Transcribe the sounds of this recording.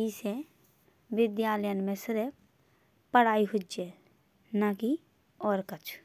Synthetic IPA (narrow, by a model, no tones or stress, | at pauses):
ise | ʋɪd̪jaːləjənmẽsɪɾ | pəɽ̤aːiɦʊd͡ʒe | naki | ɔːɾkət͡ʃʰ